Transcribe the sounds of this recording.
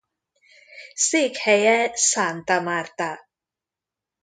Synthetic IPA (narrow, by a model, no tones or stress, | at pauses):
sikhɛjɛsant̪amaɾt̪a